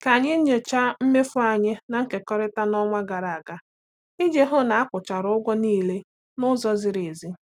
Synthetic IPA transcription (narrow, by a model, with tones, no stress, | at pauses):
ka˨ɲɪ˦ɲ̩˦ɲe˨t͡ʃa˦m̩˦me˦fʊ˦a˨ɲɪ˦na˨ŋ̩˦ke˨kɔ˦ɾɪ˦ta˦nɔ˦ŋʷa˦ɡa˨ɾa˨a˨ɡa˦ | i˦d͡ʒe˦ɦʊ˦na˨a˦kʷʊ˨t͡ʃa˨ɾʊ˦ʊ˦ɡʷɔ˦niː˦˨le˦ | nʊ˦zɔ˦zɪ˨ɾe˨zi˦